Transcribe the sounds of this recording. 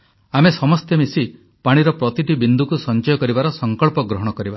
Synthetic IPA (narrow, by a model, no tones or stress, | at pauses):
amesɔmɔst̪emisi | paɽ̃iɾɔpɾɔt̪iʈibind̪ʱukusɔnt͡ʃɔjɔkɔɾibaɾɔsɔŋkɔɭpɔɡɾɔɦɔɽ̃ɔkɔɾiba